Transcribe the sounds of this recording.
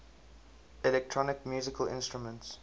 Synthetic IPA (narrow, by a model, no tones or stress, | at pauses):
ɛlɛk̚tʰɹɔnɪkmjuːzɪkəlʔɪ̰̃nstɹumə̃nts